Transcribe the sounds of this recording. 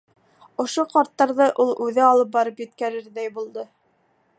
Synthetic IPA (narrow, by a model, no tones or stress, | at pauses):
ŏʃoqɑɾt̪ːɑɾðɤʔulˠʉðɘɑlˠɤp̬̚bɑɾɤpjɵ̆t̪kæɾɘɾðæjbulˠd̪ɤ